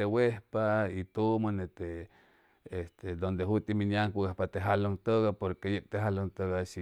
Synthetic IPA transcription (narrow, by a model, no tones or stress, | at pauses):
ewehpait̪umonet̪e | est̪ed̪ond̪eɦut̪iminjaŋkuɣahpat̪eɦalont̪əɣapoɾkejek̚t̪eɦalont̪əɣaʃi